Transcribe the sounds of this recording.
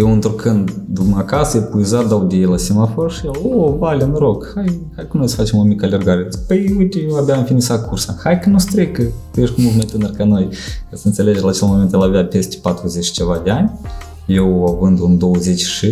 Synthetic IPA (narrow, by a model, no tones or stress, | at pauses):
jewɨnt̪ɾukɨnd̪d̪umakasəjepuizat̪̚d̪aud̪ʲijejlasimaforʃijelobalʲenuɾo̞ɡhajhajkənojsə̥fat͡ʃe̞momikəalʲerɡaɾepəjujt̪ʲejewabʲjaɨnfinisakʰursahajkənust̪ɾekət̪ujeʃkumulˠt̪majt̪ɨnərkano̞jkasəɨnt̪se̞le̞d͡ʒlaːt͡ʃelmome̞nt̪jelabʲeape̞st̪e̥pat̪ɾuzet͡ʃʲt͡ʃe̞vad̪ʲeanʲ | jewavɨnd̪und̪o̞wəze̞t͡ʃʲʃɨ